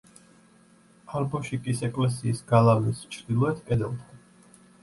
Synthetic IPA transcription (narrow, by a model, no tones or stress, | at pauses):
aɾbɔʃikʼisɛkʼlɛs̬iːsɡalˠavlist͡ʃʰɾd̪ilˠɔɛt̪ʰkʼɛd̪ɛlˠt̪ʰɔ